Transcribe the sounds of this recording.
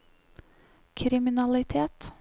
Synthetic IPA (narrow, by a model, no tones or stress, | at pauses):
kʰɾɪmɪnɑlɪt̪ʰeːt̪